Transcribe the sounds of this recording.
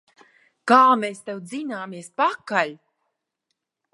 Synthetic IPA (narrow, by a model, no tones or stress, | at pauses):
kaːmeːst̪ew̪zinaːmiɛspakalʲ